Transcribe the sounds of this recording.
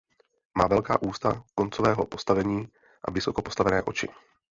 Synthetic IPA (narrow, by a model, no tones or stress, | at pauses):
maːvɛlka̰ːʔuːst̪a̰ko̞nt͡sovɛːɦo̞po̞st̪avɛɲiː | ʔa̰vɪso̞kopost̪avɛnɛːʔo̞t͡ʃɪ̰